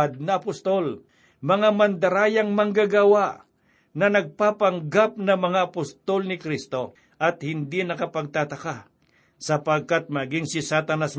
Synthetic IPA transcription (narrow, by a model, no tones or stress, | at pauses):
d̪̚nɐʔɐpʊst̪o̞l | mɐŋamɐnd̪ɐɾaːjɐŋmɐŋɡaɡawaʔ | nɐnɐɡ̚papɐŋɡap̚nɐmɐŋaʔɐpʊst̪olnɪkɾist̪o̞ | ʔɐt̪̚hɪnd̪inɐkɐpɐɡ̚t̪at̪ɐka | sɐpɐɡ̚kat̪̚mɐɡɪŋsɪsat̪anas